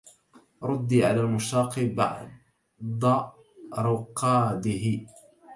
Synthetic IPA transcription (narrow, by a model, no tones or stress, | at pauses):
ɾˤʊd̪ːiːʕalaːlmʊʃɑːqiba̰ʕ | d̪ˤɑ | ɾˤʊqːɑːd̪ɪhɪ